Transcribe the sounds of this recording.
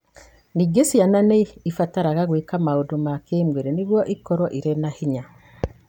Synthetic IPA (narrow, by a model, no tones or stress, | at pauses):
niɡesjananeifataɾaɣaɣwekamaodomakeːmweɾeniɣwɔʔikɔɾɔʔiɾenahiɲa